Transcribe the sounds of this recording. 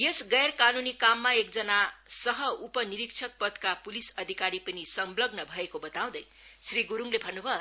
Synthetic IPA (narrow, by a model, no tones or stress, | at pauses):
jesɡʌjrkanunikamːaekd͡zʌnasʌɦʌupʌniɾikt͡sʰʌk̚pʌd̪kapulisʌd̪ʱikaɾipʌnisʌmblʌbnʌbʱʌekobʌt̪aw̃d̪ʌj | sriɡuɾuŋlebʱʌnːubʱʌ